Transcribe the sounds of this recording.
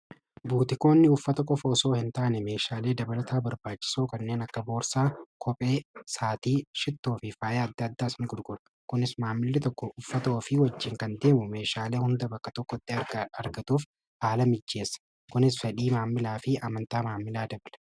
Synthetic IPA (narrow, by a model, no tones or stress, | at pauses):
buːt̪ɪko̞ːnːɪʊfːɐt̪ɐkʼɔfɐːso̞ːhɪnt̪aʔnɛme̞ːʃaːle̞ːd̪ɐbɐlɐt̪ʰaːbɐɾbaːt͡ʃːɪ̥soːkɐnːe̞ːnɐkːɐbo̞ːɾsaːkʰɔpʼe̞ːsaːt̪iːʃɪt̪ːoːfɪfaːjeːɐd̪ːɐɐd̪ːaːsɐnɪɡʊdɡʊɾɐ̥ | kʊnɪsmaːmːɪlːɪt̪ɔkːɔʔʊfːɐt̪ɐɔfɪwɐd͡ʒːɪːŋkɐnd̪e̞ːmʊme̞ːʃaːle̞ːhʊnd̪ɐbɐkːɐt̪ɔkːɔɪt̪ʼːɪɐɾɡɐɐɾɡɐt̪uːf | haːlɐmɪd͡ʒːe̞ːsːɐ̥ | kʊnɪsfɛᶑiːmaːmːɪlaːfɪɐmɐnt̪aːmaːmːɪlaːd̪ɐbɐlɐ̥